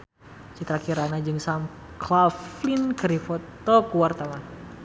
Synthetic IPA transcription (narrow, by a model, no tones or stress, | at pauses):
t͡ʃit̪ɾakiɾanad͡ʒɨŋsam | klaflinkəɾifɔt̪ːɔkuwart̪awan